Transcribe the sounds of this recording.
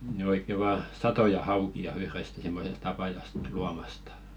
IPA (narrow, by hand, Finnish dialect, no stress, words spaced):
nĭ oikːe ʋɑː sɑtojɑ hɑukiɑ yhrest simːosest ɑpɑjɑst luɑmɑstɑ̥